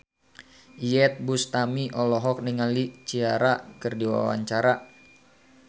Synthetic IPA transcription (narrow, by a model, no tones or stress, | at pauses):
iɛt̪̚bust̪amiʔɔlɔɦɔk̚niŋalit͡ʃiaɾakɨrdiwa̰wa̰ɲt͡ʃaɾa